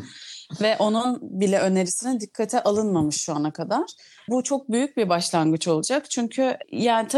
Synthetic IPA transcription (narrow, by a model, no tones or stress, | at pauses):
vɛʔo̞nunbilʲɛʔø̞ne̞ɾisinind̪ikʰːat̪ʰɛʔalˠɯnmamɯʃːuanakʰad̪aɾ̥ | but͡ʃʰo̞k̚byjyc̚biɾbaʃlˠanɡɯt͡ʃo̞lˠud͡ʒakt͡ʃʰyɲcʰyjaːnit̪ʰa